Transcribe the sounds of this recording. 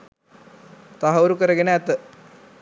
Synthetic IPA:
t̪aɦɐuɾukəɾəɡenəæt̪ə

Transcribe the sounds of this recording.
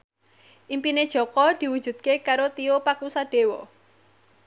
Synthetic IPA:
ʔimpined̥ʒ̥ɔ̤kɔd̪̥i̤wud̥ʒ̥ṳd̪̥̚kekaɾot̪iopakusaɖ̥e̤wɔ

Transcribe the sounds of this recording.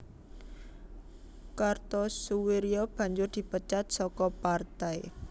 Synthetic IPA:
kart̪ɔsuweɾiɔb̥ä̤ɲd͡ʒʊrd̪̥i̤pət͡ʃat̪̚sɔkɔpart̪ai

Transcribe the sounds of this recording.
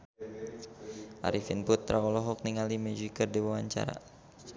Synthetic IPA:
ʔa̰ɾifinpʊt̪ːɾakɔlɔɦɔk̚niŋalimɛd͡ʒikərdiwawaɲt͡ʃa̰ɾa̰

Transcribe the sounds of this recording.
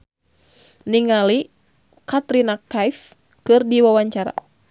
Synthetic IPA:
niŋali | kat̪ɾinakajf | kɨrdiwawaɲt͡ʃaɾa̰

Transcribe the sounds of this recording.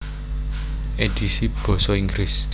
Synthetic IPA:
ed̪̥isib̥ɔ̤sɔiŋɡɾis

